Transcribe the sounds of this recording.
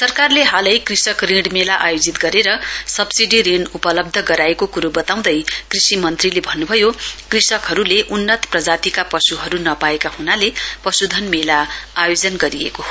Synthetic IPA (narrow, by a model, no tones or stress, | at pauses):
sʌrkarleɦalʌjkrisʌkrẽɽmelaʔajod͡zit̪ɡʌɾeɾʌsʌbsiɖiɾeɳɖupʌlʌb̚d̪ʱʌɡʌɾaekokuɾobʌt̪aw̃d̪ʌjkrisimʌnt̪rilebʱʌnːubʱʌjokrisʌkɦʌɾuleʔunːʌt̪prʌd͡zat̪ikapʌsuɦʌɾunʌpaekahunalepʌsud̪ʱʌnmelaajod͡zʌnɡʌɾiḛkoɦ